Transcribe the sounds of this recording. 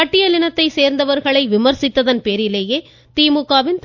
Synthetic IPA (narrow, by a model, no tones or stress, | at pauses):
ɐʈːɪjɐlɪnɐt̪ːɐɪseːɾnd̪ɐʋɐɾɣɐɭɐɪʋɪmɐɾsɪt̪ːɐðɐnpeːɾɪleːjeː | t̪iːmukːaːʋɪnt̪